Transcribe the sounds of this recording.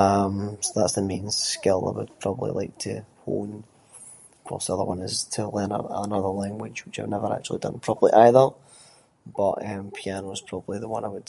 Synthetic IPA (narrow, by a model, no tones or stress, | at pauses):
ʌ̃msoðatsðəmẽn̥skɪlˠa̰ɪwə̰d̥̚pʰɹ̥ɔbəblˠḭlˠaɪk̚tʰə̰ho̰n̥ | kʰɔ̰sðiʌðə̰˞wʌ̃nɪz̥tʰəlˠɜ̃nə̰ə̰nʌðə˞lˠãŋɡwɪ̥d͡ʒwɪt͡ʃaɪ̰vnɛvə˞ʔa̰k̚t͡ʃʉl̩ˠidʌ̰̃npʰɹ̥ɔbəblˠḭʔaɪðə˞ | b̥ʌʔʌ̃mpʰianoz̥pʰɹ̥ɔbəblˠiðəwʌ̃naɪwəd